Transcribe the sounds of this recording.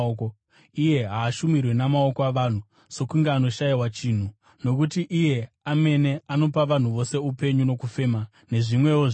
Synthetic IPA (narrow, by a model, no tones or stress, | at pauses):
ko | ije̞ɦaːʃumirwe̞namao̞koaʋan̤u | so̞kuŋɡeano̞ʃaiwat͡ʃin̤u | no̞k̬utiʔije̞ | ame̞ne̞ano̞paʋan̤uʋo̞se̞upe̞ɲuno̞kufe̞ːma | ne̞ʐimwe̞wo